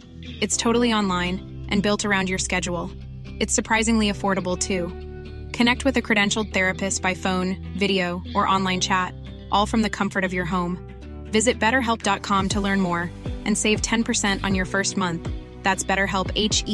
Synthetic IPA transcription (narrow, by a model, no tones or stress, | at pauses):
ɨtstʰoʊɾl̩ˠiɑ̃nlãɪ̃n | ʔɨ̃nbɪlˠtə˞ãʊ̃nd͡ʒjə˞skɛd͡ʒul̩ˠ | ɨtsə˞pʰɹ̥aɪzɪ̃ŋliɨfɔɹɾəbl̩ˠtʰʉ | kʰɨnɛk̚t̚wɨðɨkʰɹ̥ɨɾɛ̃nʃl̩ˠd̪̚θɛɹɨpɨstb̥aɪfõʊ̃n | vɪɾioʊʔə˞ʔɑ̃nlãɪ̃nt͡ʃʰæt | ʔɔlˠfɹʌ̃mðɨkʰʌ̃ɱfə˞ɾʌvjə˞ɦõʊ̃m | vɪzɨt̚b̥ɛɾə˞ɦɛlˠp̚d̥ɑt̚kʰɑ̃mtʰəlɜ̃˞nmɔɹʔɨ̃nseɪv̥tʰɛ̃npʰə˞sɛ̃ntʔn̩jə˞fɜ˞st̚mʌ̃nθ | ðætsb̥ɛɾə˞ɦɛlˠpeɪt͡ʃ